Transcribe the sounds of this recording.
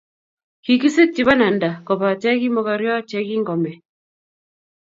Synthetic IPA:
ki˨ki˦se˦k̚t͡ʃi˨βa˦na˨nda˨kɔ˨pa˨t͡ʃɛ˦ki˦mɔ˨ka˨ɾjɔ˦t͡ʃɛ˦ki˦ŋɡɔ˨mɛ˨

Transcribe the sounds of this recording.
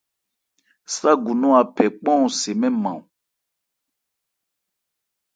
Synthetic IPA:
sa˦ɡu˨nɔ̃˦a˨pɛ˨k͡pɔ̃˦ũ˨se˨mɛ̃˦mã̰˨ũ˨

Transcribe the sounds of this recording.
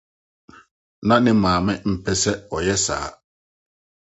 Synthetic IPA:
nã˦nɪ̃˦mãː˨mɪ̃˦m̩˨pʰɛ˦sɛ˦ɔ˨jɛ˦sa̰ː˨˦

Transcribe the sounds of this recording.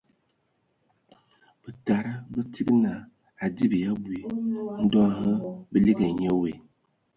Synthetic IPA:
b̥ə˨ta˨ɾə˦bə˦ti˦ɡna˨ | a˨di˦bə˨ja˦bu˨i˦n̩˦dɔ˦ɦə˦bə˦li˦ɡə˨ɲə˦we˨

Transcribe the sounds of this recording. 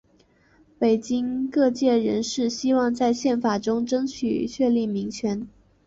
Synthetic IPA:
pe˨˩ɪt͡ɕi˥ŋkɤ˥˧t͡ɕjɛ˥˩ɻə˧˥nʂɻ̩˥˩ɕi˥wɑ˥˧ŋt͡sa˥˧ɪɕjɛ˥˩nfa˨˩ʈ͡ʂʊ˥ŋʈ͡ʂɤ˥ŋt͡ɕʰy̰˨˩t͡ɕʰɥɛ˥˧li˥˩mi˧˥ŋt͡ɕʰɥɛ˧˥n

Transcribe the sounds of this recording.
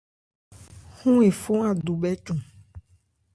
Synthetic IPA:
xũ˦e˨fo˦a˨d̪u˨bɛ˦t͡ʃũ˨

